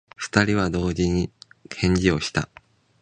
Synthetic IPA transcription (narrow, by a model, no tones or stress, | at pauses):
ɸɯ̥t̪aɾʲiβ̞ad̪o̞ːʑiɲ̟ikʰẽ̞ɲ̟d͡ʑio̞ɕi̥t̪a̰